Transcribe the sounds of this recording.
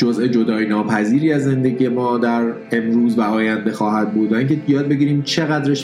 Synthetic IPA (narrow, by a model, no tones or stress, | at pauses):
d͡ʒozʔe̞d͡ʒo̞d̪ɒːjnɒːpʰæziːɾiːæzːe̞nd̪e̞ɟiːje̞mɒːd̪æɾ | e̞mɾuːzvæɒːjænd̪e̞xɒːhæd̪̚buːd̪væiːŋcʰejɒːd̪̚be̞ɟiːɾiːmt͡ʃʰe̞ɣæd̪ɾeʃ